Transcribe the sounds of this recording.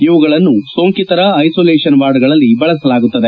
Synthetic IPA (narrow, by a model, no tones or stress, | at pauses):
iʋuɡɐɭɐnːusoːŋkit̪ɐɾɐːjsoːleːʃɐnʋaːɾɖɐɡɐɭɐlːibɐɭɐsɐlaːɡut̪ːɐd̪e̞